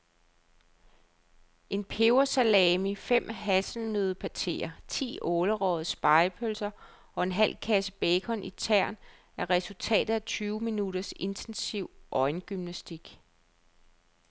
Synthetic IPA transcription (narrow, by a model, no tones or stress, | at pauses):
ʔe̝npʰeʊɐsælɛːmifem̰ɦæsl̩nøðˠpʰæt͡sʰe̝̰ːɐt͡sʰḭːʔɔːləʁɒð̩ˠsb̥ɑ̈ɪpʰølsɐ | ɒ̽e̝nɦæl̰kʰæsəb̥eːkʰɒ̽nʔit͡sʰæɐ̰n | æɐʁɛsult͡sʰɛ̰ːd̥ð̩ˠæt͡sʰyːʊminudɐse̝nt͡sʰensiʊ̰ʔɒ̽ɪnɡ̥ymnæsd̥iɡ̥